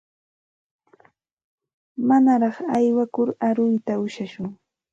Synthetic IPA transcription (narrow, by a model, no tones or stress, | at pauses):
manaɾɑχajwakʊɾaɾʊjt̪aʊʃaʃʊŋ